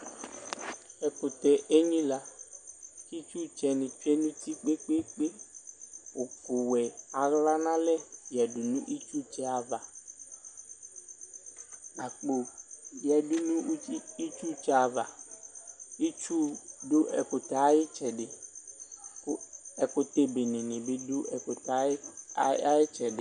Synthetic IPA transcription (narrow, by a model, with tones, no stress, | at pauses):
ɛ˨ko˨t̪ɛ˨ʔe˦ɲĩ˦la˦ | ki˦t͡ʃu˦t͡ʃɛ˨nĩ˨t͡ʃɛ˦nũ˦t̪i˦k͡pe˦k͡pe˦k͡pe˦ | wo˨fo˨wɛ˨a˨ɣla˦nã˦lɛ˦jɛ˨du˨nũ˦ʔi˦t͡ʃu˦t͡ʃɛ˦a˨va˨ | a˨k͡po˨jɛ˨du˦nũ˦i˦t͡ʃu˦t͡ʃɛ˦a˨va˨ | i˦t͡ʃu˦ɖo˦ʔɛ˨ko˨t̪a˨˦jɪ˦t͡ʃɛ˨ɖe˨ | kɛ˨ko˦t̪e˦be˨nĩ˨nɪ̃˨be˦do˦ɛ˨ko˨ta˦ | jɪ˦t͡ʃɛ˨ɖɪ˨